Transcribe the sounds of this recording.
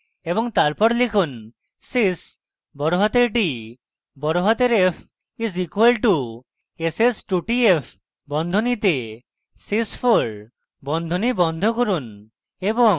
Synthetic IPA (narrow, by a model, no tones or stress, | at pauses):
ebɔŋt̪aɾpɔɾlikʰun | sis | bɔɾoɦɔt̪eɾʈi | bɔɾoɦɔt̪eɾepʰ | izikuwalʈu | esesʈuʈiepʰ | bɔnd̪ʱonit̪e | sispʰoɾ | bɔnd̪ʱonibɔnd̪ʱɔkoɾun | ebɔŋ